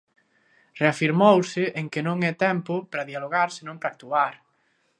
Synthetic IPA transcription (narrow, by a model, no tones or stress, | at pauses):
reafiɾmowsɪʔeŋkɪnõŋɛt̪ɛmpʊpɾɐðialoɣaɾsenõmpɾak̚t̪uaɾ